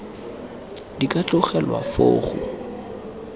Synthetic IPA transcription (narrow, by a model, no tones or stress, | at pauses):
dikʼat͡ɬʊχɛlwa̰fo̰ːχʊ̰